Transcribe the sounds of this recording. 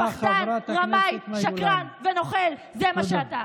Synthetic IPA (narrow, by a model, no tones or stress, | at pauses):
paχanʁamajʃakʁanveno̞χelzemaʃeat̪a